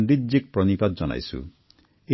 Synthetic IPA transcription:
nd̪id͡ʒik̚pɾɔnipad̪d͡ʒɔna̰jsṵ | e

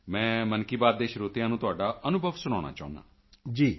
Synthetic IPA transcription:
mɛ̃ːmənkiːbaːd̪̚d̪eːʃɾoːt̪ijãːnũːt̪ʊaːɖaːənʊbʱəʋsʊñaːña̰ːt͡ʃa̰ːṵ̃nd̪a̰ː | d͡ʒiː

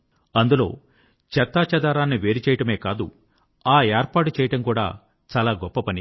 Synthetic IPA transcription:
ɐnd̪ulo̞̰ː | t͡ʃɛt̪ːaːt͡ʃɐd̪aːɾaːnːiʋe̞ːɾit͡ʃɛːjɐʈɐme̞ːkaːd̪u | aːeːɾpaːʈut͡ʃɛːjɐʈɐmkuːɽa̰ː | t͡ʃaːlaːɡɔpːɐpɐni

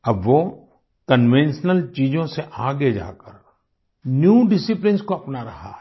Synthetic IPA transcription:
ɐbʋo | kənʋẽnʃnəlt͡ʃiːd͡ʒõseʔaːɡed͡ʒa̰ːkəɾ | njuːɖɪsɪplɪnskoɐpnaɾɐɦa̰ː

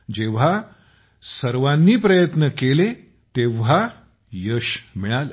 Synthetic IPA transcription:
d͡ʑeʋ̤a | səɾʋanːiːpɾəjət̪nəkele | t̪eʋ̤a | jəɕmiɭal

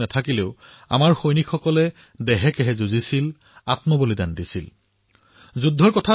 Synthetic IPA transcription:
nɛtʰakileʊ | a̰maɹxojnikʰxɔkɔlɛ | dɛɦɛkɛɦɛzuzisil | atmɔbolidandisḭl | zudʱːɔɹkɔtʰa

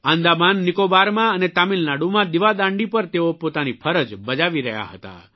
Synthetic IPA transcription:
ãnd̪amanːɪkobaɾmãənet̪amilnaɽumãd̪iʋad̪ãɳɖipəɾt̪eopot̪anifʰəɾəd͡ʒbəd͡ʒaʋiɾə̰ɦja̰ɦət̪a̰

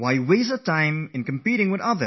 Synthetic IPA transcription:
waɪwezətʰãɪ̃mɨ̃nkə̃m̩piɾɪ̃ŋwɨðʌðə

